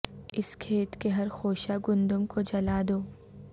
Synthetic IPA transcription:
ɪskʰeːt̪keɦɐɾxoːʃaɡʊ̃nd̪ʊmkod͡ʒɐlaːd̪oː

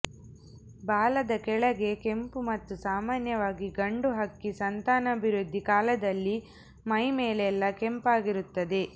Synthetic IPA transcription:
baːlɐd̪ɐkɛɭɐɡe̞ke̞mpumɐt̪ːusaːmaːnjɐʋaːɡiɡɐɳɖuɦɐkːisɐnt̪aːnɐːbʱiɾud̪ʱːikaːlɐd̪ɐlːi | mɐjmeːlɛlːɐkempaːɡiɾut̪ːɐd̪e̞

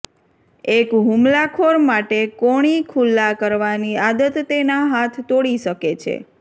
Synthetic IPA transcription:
ekɦũmlakʰoɾmaʈekoɽ̃ikʰulːakəɾʋaniad̪ət̪ːenaɦat̪ʰt̪oɽiʃəket͡ʃʰḛ

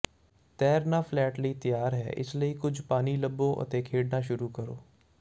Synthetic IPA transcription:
t̪ɛːɾnafʰlɛːʈlit̪ijaːɾɦɛ̰ːʔɪ̰sləikʊd͡ʒʰʱpaːniləbːõʔɐ̰t̪eːkʰeːɽnaʃʊɾuːkəɾo̰ː

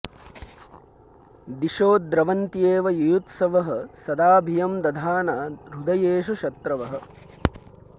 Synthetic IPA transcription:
d̪iʃoːd̪ɾɐʋɐnt̪jeːʋɐjujut̪sɐʋɐɦɐ̆sɐd̪aːbʱijɐmd̪ɐd̪ʱaːnaːɾud̪ɐjeːʃuʃɐt̪ɾɐʋɐɦɐ̆

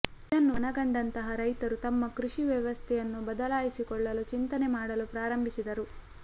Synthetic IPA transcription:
id̪ɐnːunɐɡɐɳɖɐnt̪ɐɦɐɾɐjt̪ɐɾut̪ɐmːɐkɾuʂiʋjɐʋɐst̪ʰɛjɐnːubɐd̪ɐlaːjisikɔɭːɐlut͡ʃint̪ɐnemaːɽɐlupɾaːɾɐmbʱisid̪ɐɾu

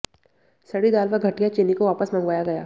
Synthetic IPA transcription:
sɐɽid̪aːlʋaɡʱɐʈijat͡ʃeːnikoʋaːpəsmɐ̃ŋɡʋaːjaɡɐjaː

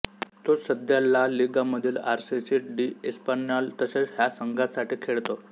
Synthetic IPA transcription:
t̪osəd̪ʱjalːaliɡaməd̪ʱiːlaɾsisiʈɖiespanjalt̪əsət͡sɦjasəŋɡasaʈʰiːkʰeɭt̪o

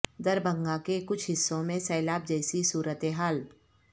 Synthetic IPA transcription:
d̪ɐɾbə̃ŋɡakekʊt͡ʃʰɦɪsːõmẽsɛːlaːb̚d͡ʒɛːsisuːɾət̪eɦaːl

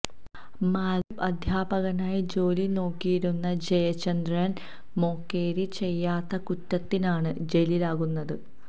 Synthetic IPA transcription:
maːlipɐd̪ʱjaːbɐɣɐnaːjid͡ʑo̞ːlino̞ːkːijiɾunːɐd͡ʑejɐt͡ɕːɐnd̪ɾɐn | mo̞ːkːe̞ːɾit͡ɕe̞jːaːt̪ːɐkutːɐt̪ːinaːɳɨd͡ʑe̞lilaːɣunːɐðɨ

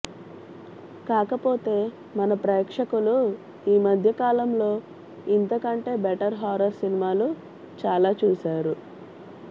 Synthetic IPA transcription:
kaːkɐpo̞ːt̪e̞ː | mɐnɐpɾɐkʂɐkulu | iːmɐd̪ʱjɐkaːlɐmlo̞ː | int̪ɐkɐɳʈe̞ːbɛʈɐɾɦaːɾɐɾsinimaːlu | t͡ʃaːlaːt͡ʃuːsaːɾu

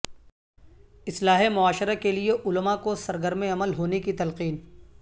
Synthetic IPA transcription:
ɪslaːɦemʊaːʃɪɾakelieʔʊlmakosɐɾɡəɾmẽɐməlɦoːnekit̪ɐlqiːn

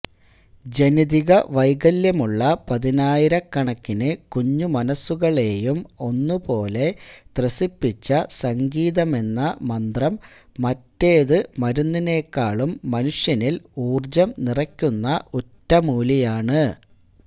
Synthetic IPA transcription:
d͡ʑe̞niðiɣɐʋɐjɣɐljɐmuɭːɐpɐðinaːjiɾɐkːɐɳɐkːinɨkuɲːumɐnɐsːuɣɐɭe̞ːjumo̞nːupo̞ːle̞t̪rɐsipːit͡ɕːɐsɐŋɡiːðɐme̞nːɐmɐnd̪rɐmː | ɐtːe̞ːðɨmɐɾunːine̞ːkːaːɭumːɐnuʂjɐniluːrd͡ʑɐmnirɐkʲːunːɐʔutːɐmuːlijaːɳɨ

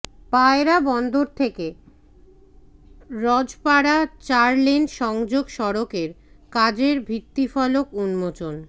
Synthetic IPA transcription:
paeɾabɔnd̪oɾt̪ʰeke | ɾɔd͡ʑpaɽat͡ɕaɾlenʃɔŋd͡ʑoɡʃɔɾokeɾ | kad͡ʑeɾbʱit̪ːifɔlokunmot͡ɕon

